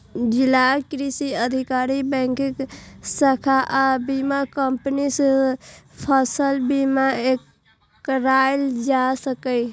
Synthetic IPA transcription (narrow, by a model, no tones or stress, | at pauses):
d͡ʒilakɾisiəd̪ʱikaɾibɛ̃ŋkiksəkʰaʔabimakəmpnis | pʰəsəlbimaek | ɾajld͡ʒasəkəj